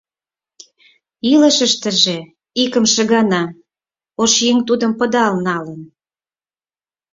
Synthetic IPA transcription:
ilə̆ʃə̆ʃt̪ə̆ʒe | ikə̆mʃə̆ɣɑnɑ | oʃjeŋt̪ud̪ə̆mpə̆d̪ɑlnɑlən

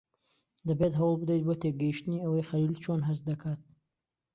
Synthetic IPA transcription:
d̪ɐbet̪ɦɐwlˠbɨd̪ejt̪̚bot̪ʰeɡɐjiʃt̪ɨniɐwɐjχɐliːlt͡ʃʰonɦɐst̪̚d̪ɐkʰaːt̪̚

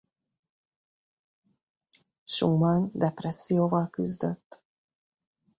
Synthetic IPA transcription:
ʃumɒnd̪ɛprɛsːijoːvɒlkyzd̪øt̪ː

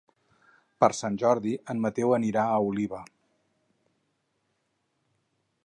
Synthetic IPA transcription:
pəɾsanʲʒɔɾðiʔənmət̪ɛwəniɾaəuliβə

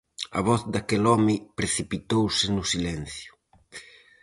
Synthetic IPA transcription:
ɐ̰βɔθd̪akɛlɔmɪpɾeθipit̪owsɪnʊsilɛn̟θjʊ̥

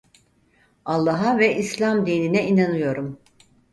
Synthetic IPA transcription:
alˠːaɦavɛʔislʲamd̪iːninɛinanɯjo̞ɾum

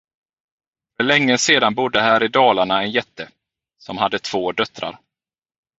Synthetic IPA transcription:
fœɭɛŋːəseːd̪anbʊd̪ːəɦæːɾɪd̪ɑːlaɳaɛnjɛt̪ːə | sɔmhad̪ːət̪ʰv̥oːd̪œt̪ɾa̰ɾ

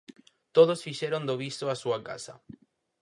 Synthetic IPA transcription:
t̪oðosfiʃeɾond̪oβist̪oasuaka̰sa̰

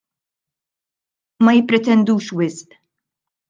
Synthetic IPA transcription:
mɐjɪpːɾɛt̪ɛnd̪uːʃwɪsʔ

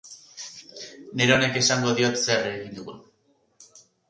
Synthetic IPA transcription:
ne̞ɾeo̞ne̞ke̞saŋɡo̞ðio̞t̪se̞reɣind̪uɣun

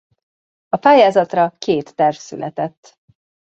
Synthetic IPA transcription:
ɒpaːjaːzɒt̪rɒkeːt̪ːɛrfsy̰lʔɛt̪ɛt̪ː

